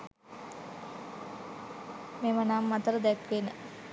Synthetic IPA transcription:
memənamːat̪əɾəd̪ɛkʋenə

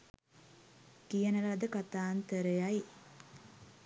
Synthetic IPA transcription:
kijənəɾad̪əkat̪aːnt̪əɾəjaj

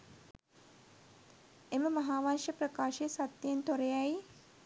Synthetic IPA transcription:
eməmɐɦaːʋanʃəprəkaːʃejəsat̪jent̪oɾejaj

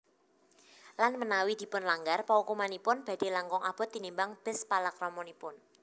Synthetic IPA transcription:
lanmənawid̪̥i̤pʊnlaŋɡarpaukumanipʊnb̥a̤d̪̥e̤laŋkɔŋab̥ɔ̤t̪ːinimbaŋb̥ɛ̤spalakrɔmɔnipʊn

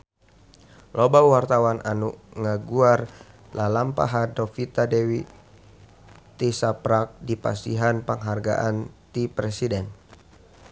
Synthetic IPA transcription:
lobawart̪awanʔanuʔŋaɡuar | lalampa̰ɦadofit̪adɛwi | t̪isapɾak̚dipa̰siɦanpəŋɦarɡa̰ʔant̪ipɾesidɛn

